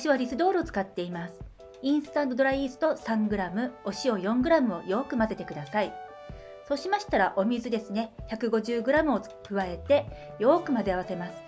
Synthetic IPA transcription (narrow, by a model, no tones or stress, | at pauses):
ɕiβaɾʲisɨd̪o̞ːɾɯot͡sɨ̥kat̪ːe̞imasɨ̥ | ĩɰ̃sɨ̥t̪ãnd̪o̞d̪o̞ɾaiːzɨ̥t̪o̞sãŋɡɯ̟ɾamɯ̟o̞ɕio̞jõ̞ŋɡɯ̟ɾamɯ̟o̞jo̞ːkɯ̟maze̞t̪e̞kɯ̟d̪asai | so̞ɕimaɕi̥t̪aɾaʔo̞mʲizɨd̪e̞sɨne̞çakɯ̟ɡo̞ʑɨːɡɯ̟ɾamɯ̟o̞ | kɯ̟βae̞t̪e̞ | jo̞ːkɯ̟mazeaβase̞masɨ̥